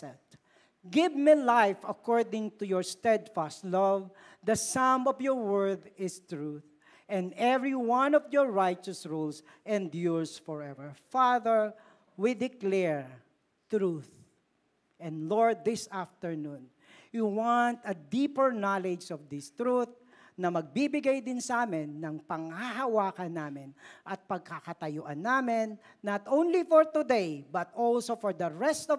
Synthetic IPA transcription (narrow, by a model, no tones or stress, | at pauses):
ɛt̪ | ɡɪvmilajfɐkɔɹd̪ɪ̃ŋt̪ujɔɹst̪ɛd̪fast̪lʌv | d̪ɐsãmɔvjɔɹwɛɹd̪ɪst̪ɹuθ | ʔɛ̃nd̪ɛvɹiwʌ̃nɔvjɔɹɹajt͡ʃəsɹuls | ʔɛ̃nd̪juɹsfɔɹɛvəɹfaðəɹ | wid̪ɪklɛɹ | t̪ɾuθ | ʔɛ̃nlɔɹd̪̚ːɪsaft̪ɛɹnũn | juwant̪ɐd̪ipɛɹnalɛd͡ʒɔvd̪ɪst̪ɾuθ | nɐmɐɡ̚bibɪɡajd̪ɪnsɐʔaːmɪnːɐŋpɐŋhaɦɐwaːkɐnːaːmɪnʔɐt̪̚pɐɡ̚kakɐt̪ɐjʊʔɐnːaːmɪnːɐt̪ʔõwnlifɔɹt̪ʊd̪ejbɐt̪ʔolsofɔɹd̪ɐɹɛst̪ɔ